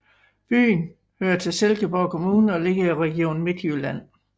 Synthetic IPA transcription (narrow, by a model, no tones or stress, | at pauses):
b̥y̰ːn | høːɐt͡sʰe̝lselɡ̥əb̥ɒʊkʰo̝muːnəɒ̽le̝ɡ̥̩ˠiʁɛɡ̥io̝̰ːn̩me̝d̥jylæn̰